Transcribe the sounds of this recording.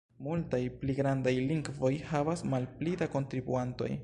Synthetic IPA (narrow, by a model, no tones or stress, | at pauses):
multajpliɡɾandajliŋɡvo̞jhavasmalplidako̞ntɾibuanto̞̰j